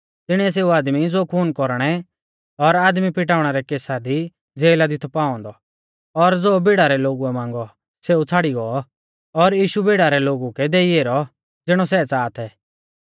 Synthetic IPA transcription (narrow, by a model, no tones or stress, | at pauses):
t̪ɪɽ̃iɛs̬eːuaːd̪mid͡zoːkʰuːnkɔɾɽ̃ɛ | ɔɾaːd̪mipɪʈaːʊɽ̃ɛɾɛkeːsad̪i | d͡zeːlad̪it̪ʰɔpaːɔ̃ːnd̪ɔ | ɔɾd͡zoːbɪɽaɾɛloːɡuɛmãːŋɡɔ | seːut͡sʰaɽiɡɔɔ | ɔɾjiːʃubɪɽaɾɛloːɡukɛd̪eːieːɾɔ | d͡zɪɽ̃ɔs̬ɛt͡saːt̪ʰɛː